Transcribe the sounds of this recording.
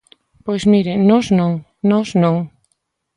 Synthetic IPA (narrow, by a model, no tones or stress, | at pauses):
pojzmiɾenɔsnõŋ | nɔsnõŋ